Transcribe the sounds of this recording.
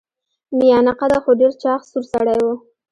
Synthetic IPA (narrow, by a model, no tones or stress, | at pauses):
mɪjɑnaqad̪axoɖeɾt͡ʃɑxsuɾsaɽajwo